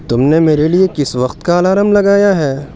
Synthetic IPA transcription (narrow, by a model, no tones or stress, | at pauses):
t̪ʊmnemeːɾeliekɪsʋɐqt̪kaːlaːɾəmlɐɡaːjaɦɛː